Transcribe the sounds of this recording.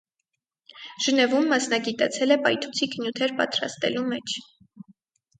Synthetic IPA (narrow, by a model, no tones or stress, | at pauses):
ʒ̥ənɛvumːɑsnɑɡit̪ɑt͡sʰɛlɛpɑjt̪ʰu̥t͡sʰikənjut̪ʰɛɾpɑ̰t̪ɾɑ̰st̪ɛ̰lumɛt͡ʃʰ